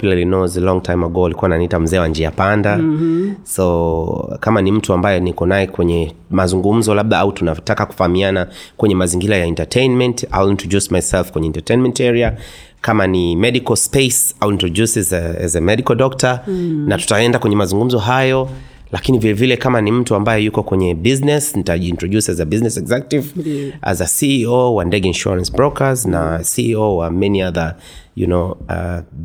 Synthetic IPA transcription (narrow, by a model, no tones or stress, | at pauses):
pilalinɔzlɔŋɡtʰajmaɡɔalikuananitam̩zɛːwaɲd͡ʒiapanda | sɔ | kamanim̩tuambajɛnikɔnajɛkwɛɲɛmazuŋɡum̩zɔlaɓ̚ðaautunatakaku̥fahamianakwɛɲɛmaziŋɡiɾajaɛntatʰejnmɛnta̰wilintɔʄusmajsɛlfkwɛɲɛntatejnmɛntɛɾia | kamanimɛdikɔlspesawilintɹɔʄusɛzɛ̰zɛmɛdikɔldɔktanatu̥taɛndakwɛɲɛmazuŋɡum̩zɔɦajɔ | lakinivilɛvilɛkamanim̩tuambajɛjukɔkwɛɲɛbiznɛsnitaʄiːntɹɔʄusɛzɛbiznɛsɛɡzak̚tiv̰zasiiowandɛɡinʃṵɹãnsbɹɔkʰaznasiowamɛniaðə | jṵnoa̰